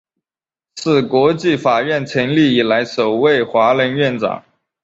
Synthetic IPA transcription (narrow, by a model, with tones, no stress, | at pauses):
ʂʰɹ̩˥˩kwɔ˧˥t͡ɕi˥˩fa˨˩ɥɛ˥˩nʈ͡ʂʰə˧˥ŋli˥˩i˨˩la˧˥ɪʂo˨˩ʊwe˥˩ɪxwa˧˥lə˧˥nɥɛ˥˩nʈ͡ʂɑ̰˨˩˦ŋ